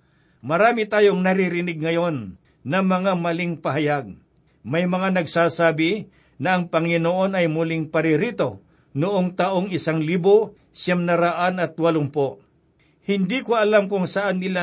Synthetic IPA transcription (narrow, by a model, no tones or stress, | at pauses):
mɐɾaːmɪt̪aːjoŋnɐɾiɾɪnɪɡ̚ŋɐjo̞nː | ɐmɐŋamɐlɪŋpɐɦɐjaɡ̚ | mɐjmɐŋanɐɡsaːsaːbɪ | nɐɐŋpɐŋɪnoʔo̞nɐjmʊlɪŋpɐɾɪɾiːt̪o̞ | nʊʔoŋt̪aʔoŋɪsaŋliːbo | samnɐɾaʔanɐt̪wɐlʊmpoʔ | hɪnd̪ikoɐlamkʊŋsɐʔanːɪla